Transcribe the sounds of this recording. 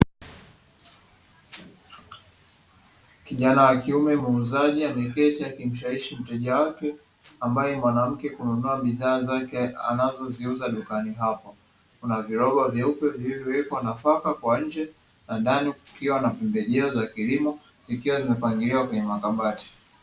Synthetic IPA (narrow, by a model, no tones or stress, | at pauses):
kiʄanawakiumɛmuːzaʄianɛkɛt͡ʃijakim̩ʃaiʃim̩tɛʄawakɛ | ambajɛmwanam̩kɛkununuaɓiðaːzakɛa̰nazɔziuzaɗukaniɦapɔ | kunaviɾɔɓavjaupɛviivjɔwɛkwanafakakwaɲ̩d͡ʒɛ | naɗanikiwanapɛmbɛʄɛɔzakilimɔ | zikiwazimɛpaŋɡiliwakwɛɲɛmakaɓati̥